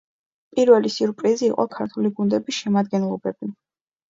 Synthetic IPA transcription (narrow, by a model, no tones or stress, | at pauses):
pʼiɾvɛlisuɾpʼɾiziːqʼɔkʰaɾt̪ʰuliɡund̪ɛbisʃɛmad̪̚ɡɛnlˠɔbɛbi